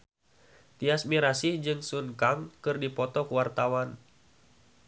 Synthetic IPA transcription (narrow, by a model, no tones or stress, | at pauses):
t̪iasmiɾasihd͡ʒɨŋsuŋkaŋkɨrdipɔt̪ɔkwart̪awan